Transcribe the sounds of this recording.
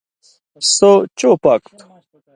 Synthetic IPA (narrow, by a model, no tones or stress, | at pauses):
sot͡ɕopɐkt̪